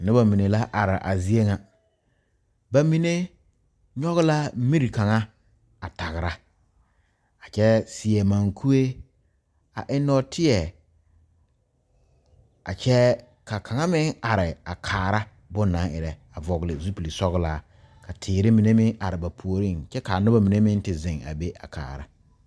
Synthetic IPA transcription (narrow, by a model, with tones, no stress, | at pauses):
nɪ˦ba˨mi˨ne˨la˦ʔa˨ɾɪ˨ʔa̰˨zi˦e˦ŋa˨ | ba˨mi˨ne˦ | ɲɔ˦ɣʊ˦la˦mi˦ɾi˨ka˨ŋa˦ | a˨ta˨ɣɪ˨ɾa˦ | a˨t͡ʃɛ˦sɪ˨ɛ˨ma˨ŋkʰu˦e˦ | a˨ʔɪ˦nɔ˦tʰɪ˦ɛ˨ | a˨t͡ʃɛ˦ | ka˨kʰa˨ŋa˦mɪ˦ŋa˨ɾɪ˨a˨kʰaː˨ɾa˦ | bʊ˦nːã˨˦ŋɪ̰˨ɾɛ˨a˨vɔ˨ɡlɪ˨zu˦pi˨li˨sɔ˦ɣlaː˦ | ka˨tʰɪː˨ɾɪ˦mi˨ne˦mɪ˦ŋʔa˨ɾɪ˨ba˨pʰu˨o˨ɾi˦˨nt͡ʃɛ˦ka˨nʊ˦ba˨mi˨ne˦mɪ˦n˦tɪ˨zɪ̃˨ŋa̰˨be˦ʔa̰˨kʰa̰ː˨ɾa̰˦